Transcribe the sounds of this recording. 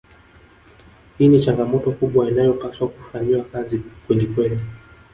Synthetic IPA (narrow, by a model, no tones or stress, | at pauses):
hiːnit͡ʃaŋɡamɔtɔkuɓwainajɔpaswakufaɲiwakazikwɛlikwɛli